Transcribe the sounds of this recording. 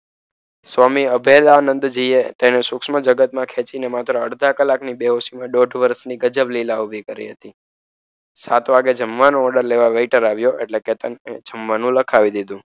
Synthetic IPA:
sʋamiəbʱelanə̃nd̪d͡ʒiet̪enesʊkʃməd͡ʒəɡət̪mãkʰet͡ʃinemat̪ɾəəɽd̪ʱakəlaknibeɦosimãɖoɖʱʋəɾsniɡəd͡ʒəblilaubʱikəɾḭɦət̪i | sat̪ʋaɡed͡ʒəmʋanõɔɖəɾleʋaʋejʈəɾaʋjoʔeʈleket̪əned͡ʒəmʋanũləkʰaʋid̪id̪ũ

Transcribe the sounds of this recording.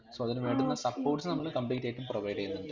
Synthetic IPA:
soːɐðinɨʋeːɳɖunːɐsɐpːoːʈsɨnɐmːɐɭɨkɐmbiːtːɐːjʈːumproʋɐjɖɐjunːuɳɖɨ

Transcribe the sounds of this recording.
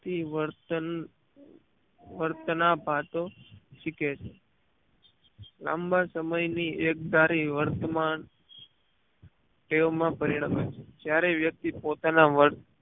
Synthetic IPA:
t̪iʋəɾt̪ən | ʋəɾt̪ənabʱat̪oʃiket͡ʃʰe | lã̰mbʱasəməjniek̚d̪aɾiʋəɾt̪əman | ʈeʋomãpəɾiɽəmet͡ʃʰe̥d͡ʒjaɾeʋjək̚t̪ipot̪anaʋəɾt̪

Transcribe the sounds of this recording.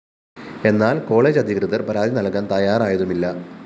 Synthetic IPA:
e̞nːaːlko̞ːɭe̞ːd͡ʑɐd̪ʱikrɨðɐrpɐɾaːd̪ʱinɐɭkːaːnt̪ɐjaːraːjɐðumilːɐ

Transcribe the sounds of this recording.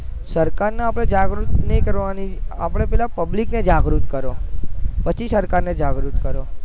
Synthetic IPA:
səɾkaɾnaapɽ̃ed͡ʒaɡɾut̪nəikəɾʋania̰pɽ̃epɛlapəblikned͡ʒaɡɾut̪kəɾopət͡ʃʰisəɾkaɾned͡ʒaɡɾut̪kəɾo

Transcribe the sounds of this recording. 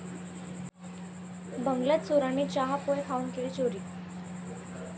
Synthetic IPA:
bəŋɡlat̪soɾaniːt͡ɕaɦapojkʰaunkilit͡ɕoɾiː

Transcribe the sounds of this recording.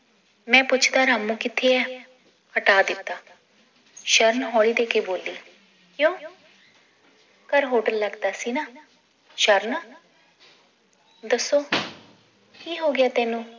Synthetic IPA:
mɛ̃ːpʊt͡ʃʰd̪aːɾaːmːũːkɪt̪ʰːeɛː | kʰəʈaːd̪ɪt̪ːaː | ʃəɾənɦɔːɭiːd̪eːkeboːlːiː | kjõː | kəɾɦoːʈəlləɡd̪aːsiːnaː | ʃəɾnaː | d̪əsːoː | kiːɦoːɡɪaːt̪ɛːnũː

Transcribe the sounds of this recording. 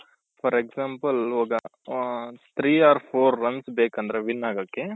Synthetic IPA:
fɐɾeksaːmpɐloːɡɐ | t̪ʰɾiːaːɾpʰoːɾːɐnsbeːkɐnd̪ɐɾeʋinːaːɡoːkːe

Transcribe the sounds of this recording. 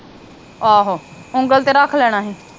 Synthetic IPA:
aːɦoː | ʊŋɡəlt̪eːɾakʰlɛːɽ̃aːɦɛː

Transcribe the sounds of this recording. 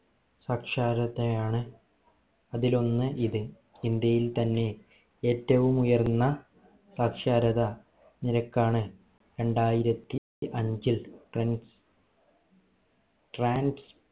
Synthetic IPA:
saːkʂaːɾɐðejaːɳɨ | ɐðilo̞nːɨʔiðɨ | ind̪jɐjilt̪ɐnːe̞ | eːtːɐʋumujɐrnːɐ | saːkʂaːɾɐðɐ | niɾɐkːaːɳɨ | ɾe̞ɳɖaːjiɾɐt̪ːi | ʔɐɲd͡ʑilʈn | ʈraːnɖs

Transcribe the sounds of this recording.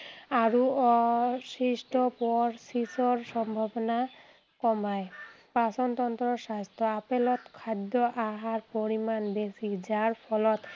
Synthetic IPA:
aɹuɔsisʈɔpɔɹsisɔɹsɔmbʱabɔna | kɔmaj | pasɔnt̪ɔnt̪ɹɔsast̪ɔapɛlɔt̪kʰad̪ɔʔaɦaɹpoɹimanbesizaɹpʰɔlɔt̪

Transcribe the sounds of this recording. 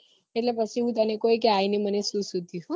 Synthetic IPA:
eʈlepət͡ʃʰiũt̪̬ənekojkeainemənesũsud̪ju

